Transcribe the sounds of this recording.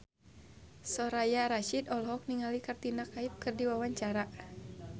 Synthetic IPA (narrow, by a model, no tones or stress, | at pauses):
sɔɾajaɾaʃidɔlɦɔk̚niŋalikart̪inakaip̚kɨrdiwawaɲt͡ʃaɾa